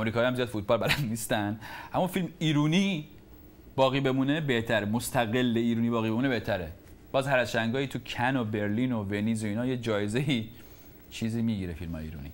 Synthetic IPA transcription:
ɔmɾiːkʰɒːjihæmzijɒːd̪fuːt̪̚bɒːlbælænd̪niːst̪ænd̪ʔæmːuːfilmiːɾuːniː | b̥ɒːɣiːbe̞muːnebe̞ht̪ʰæɾemost̪ʰæɣe̞lːeiːɾuːnibɒːɣibe̞muːne̞be̞ht̪ʰæɾe | b̥ɒːzhæɾæsʃæŋɡɒːhiːt̪ʰucʰæno̞be̞ɾliːno̞venizoiːnɒːjed͡ʒɒːjeze̞i | t͡ʃʰiːziːmiːɟiɾefilmhɒ̰jeḭːɾṵːnḭ

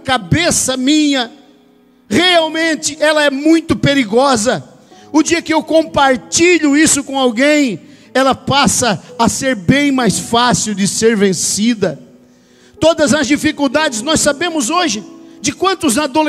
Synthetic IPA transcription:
kabesɐmĩɲɐ | ʁeawmẽnt͡ʃɪʔɛlɐɛmũj̃t̪ʊpeɾiɡɔzɐ | ʊd͡ʒiɐkɪewkõpaɾt͡ʃiʎʊisʊkõawɡẽj̃ | ɛlɐpasɐːseɾbẽj̃majsfasiwd͡ʒɪseɾvẽsid̪ɐ | t̪od̪ɐzɐzd͡ʒifikuwd̪ad͡ʒɪznɔsabẽmʊzoʒɪd͡ʒɪkwɐ̃nt̪ʊznad̪ole

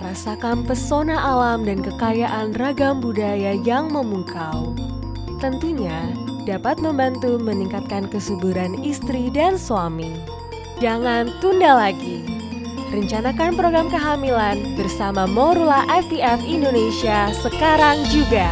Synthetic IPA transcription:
rasakanpərsonaʔalamdankəkajaʔanraɡambudajajaŋməmuŋkaw | t̪ənt̪uɲad̥apat̪̚məmbant̪uməniŋkat̪̚kankəsubuɾanist̪ɾidansuami | d͡ʒaŋant̪undalaɡi | rəɲt͡ʃanakanpɾoɡɾamkəɦamilanbərsamamoɾulaʔɛft̪iɛfindonesiasəkaɾaŋd͡ʒuɡa

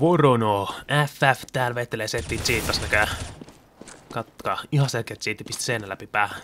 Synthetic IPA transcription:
ʋoronoːæfæft̪æːlʋet̪ːeleːset̪ːiːt̪iːt̪ːɑsnækæ | kɑt̪ːkɑːihɑselkːeːt̪t͡ʃiːt̪ːipist̪i̥seːnælæpipæː

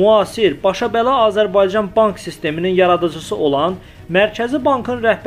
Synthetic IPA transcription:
uɑːsiɾbɑʃɑbælˠɑɑːzæɾbɑjd͡ʒɑnbɑŋksist̪e̞mininjɑɾɑd̪ɯd͡ʒɯsɯʔo̞lˠɑn | mæɾcʰæzibɑŋkʰɯnɾæhb

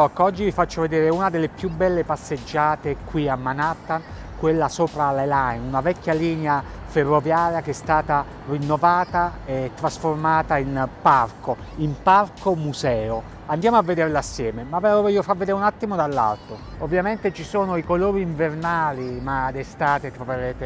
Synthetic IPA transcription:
ɔkːɔd͡ʒːivifat͡ʃːoved̪eːɾeunad̪elːepjubɛlːepasːed͡ʒːaːt̪ekwiamːanat̪ːan | kwelːasoːpɾalalajnunavɛkʲːjaliːnea | ferːovjaːɾjakeɛst̪aːt̪a | rinːovaːt̪aet̪ːɾasformaːt̪ainparko | imparkomuzɛːo | and̪jaːmoavːed̪eɾlaasːjɛːmemavɛvofavːed̪eːɾunat̪ːimod̪alːa̰lt̪oovːjament̪et͡ʃisoːnoikoloːɾiːɱvernaːlimad̪est̪aːt̪et̪ɾoveɾeːt̪e

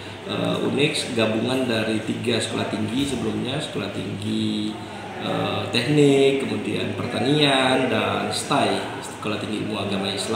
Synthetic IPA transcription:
ʔə̰ʔṵnɪksɡabuŋandaɾit̪iɡasə̥kolaht̪iŋɡisəbəlumɲasə̥kolaht̪iŋɡi | ʔə̰t̪ɛk̚nɪkːəmudia̰npərt̪aniandanst̪aj | səkolaht̪iŋɡiṵmuɾaɡamaisla

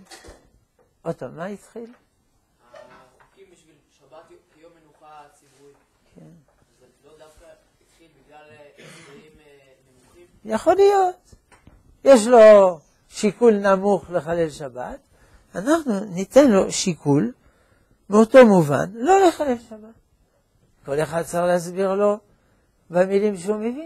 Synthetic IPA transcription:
ot̪omait̪χil | u | kʰen | jaχo̞lijo̞t̪ | jeʃ̬lo̞ | ʃikulnamuχleχalelʃaba̰t̪ | anaχnunit̪e̞nlo̞ʃikʰul | meoto̞muva̰nlo̞le̞χalelʃabat̚ | ko̞leχad̪̚t͡saixleasbiʁlo̞ | bemilimʃeumevin

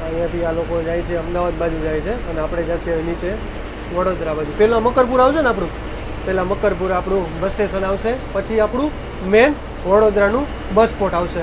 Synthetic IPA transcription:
əjjãt̪ialokod͡ʒajt͡ʃʰeəmd̪aʋad̪̚bad͡ʒud͡ʒajt͡ʃʰeəneapɽ̃ed͡ʒaʃiaʋinit͡ʃe | ʋəɽod̪ɾabad͡ʒupɛlaməkəɾpuɾaʋʃəneap̬ɽ̃ũ | pɛlaməkəɾpuɾapɽ̃ũbəsʈeʃənaʋʃepət͡ʃʰiapɽ̃ũ | men | ʋəɽod̪ɾanũ | bəspoʈaʋʃe

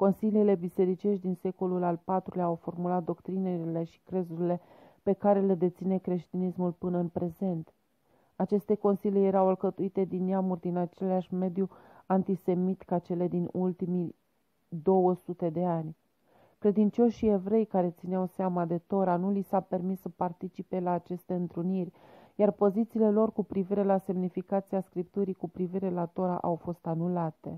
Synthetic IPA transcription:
ko̞nsiliiːle̞bise̞ɾit͡ʃe̞ʃd̪inse̞ko̞lulalpat̪ɾuleawfo̞rmulat̪̚d̪o̞kt̪ɾineɾile̞ʃi̥kɾe̞zuɾile̞ | pe̞kaɾe̞led̪e̞t̪sine̞kɾe̞ʃt̪inismulpɨnəɨnpɾe̞ze̞nt̪ | at͡ʃe̞st̪e̞ko̞nsiljeje̞ɾawalkət̪uit̪e̞d̪inːeamurʲd̪inat͡ʃe̞leaʃʲme̞d̪ju | ant̪ise̞mit̪kat͡ʃe̞le̞d̪inult̪imi | d̪o̞wəsut̪e̞d̪e̞anʲ | kɾe̞d̪int͡ʃo̞ʃie̞vɾe̞jkaɾe̞t̪sineawseamad̪e̞t̪o̞ɾanulisape̞rmisːəpart̪it͡ʃipe̞laːt͡ʃe̞st̪e̞ɨnt̪ɾunirʲ | jarpo̞zit̪siːle̞lo̞rkupɾiviɾe̞lase̞mnifikat̪siaskɾip̚t̪uɾikupɾiviɾe̞lat̪o̞ɾa̰ʔawfo̞st̪anulat̪e̞̰

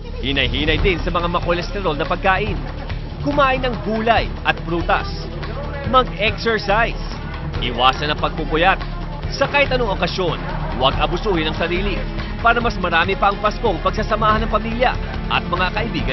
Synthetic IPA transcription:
hɪnɐjɦiːnɐjd̪ɪnsɐmɐŋamɐkolɛst̪ɛɾo̞lnɐpɐɡ̚kaːʔɪn | kʊmaːʔɪnɐŋɡuːlɐjʔɐt̪̚bɾuːt̪ɐ̰s | mɐɡɛksɛɹsajs | ʔɪwaːsɐnɐŋpɐɡ̚pupʊjat̪̚ | sɐkaːhɪt̪ɐnoŋʔo̞kɐsjo̞n | wɐɡʔɐbʊsuːhɪnɐŋsɐɾiːlɪ | paːɾɐmɐsmɐɾaːmɪpɐʔːŋpɐsko̞ŋpɐɡsasɐmaːhɐnɐŋpɐmiːljɐ̰ | ʔɐ̰t̪̚mɐŋakɐʔɪbiːɡɐn

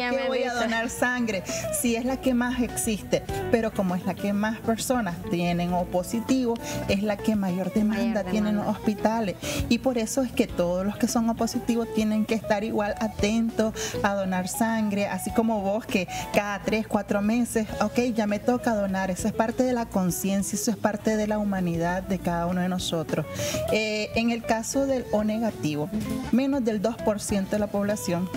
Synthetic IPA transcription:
eβojaðonaɾsaŋɡɾesieslakemaseksist̪epeɾo̞komoezlakemaspeɾso̞nast̪je̞ne̞ŋoposit̪iβose̞slakemaʝoɾd̪emãnd̪at̪je̞nenlosospit̪alesipo̞ɾe̞soeske̞t̪oð̞osloske̞so̞ŋopo̞sit̪iβost̪jene̞ŋkeːst̪aɾiɣwalat̪ent̪osaðo̞naɾsaŋɡɾe̞ʔasiko̞mo̞βo̞ske̞kaðat̪ɾe̞skwat̪ɾo̞me̞sesoke̞jd͡ʒame̞t̪o̞kaðo̞naɾesoe̞spaɾt̪e̞ðelako̞nsje̞nsjaesoe̞spaɾt̪e̞ðe̞laumãniðaðd̪e̞kaðaunoð̞eno̞so̞t̪ɾoseeŋe̞lkaso̞ðe̞lone̞ɣat̪iβomẽ̞nozðe̞ld̪o̞spo̞ɾsje̞nt̪oðelapo̞βlasjo̞ŋ

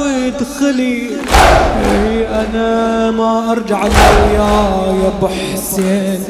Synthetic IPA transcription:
id̪xɪli | iʔanamaʔɑɾˤd͡ʒaʕalajajabɪħseːn

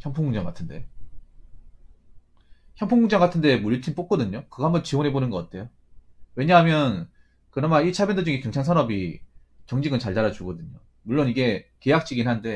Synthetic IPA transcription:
çjʌŋpʰoŋɡuŋd͡ʑaŋɡatʰɯnde̞̰ | çjʌmpʰoŋɡuŋd͡ʑaŋɡatʰɯnde̞muʎitʰinp͈ok̚k͈ʌdɯɲokɯɡʌɦambʌnt͡ɕiwonɦe̞bonɯnɡʌk͈atʰe̞jo | we̞ɲaɦamjʌn | kɯɾʌmait͡ɕʰabjʌndod͡ʑuŋekeŋt͡ɕʰaŋsʰanʌbi | t͡ɕʌŋd͡ʑiɡɯnt͡ɕaɭtaɾad͡ʑuɡʌdɯɲo | muɭːoniɡe̞ke̞jak̚t͡ɕ͈iɡinɦannde̞

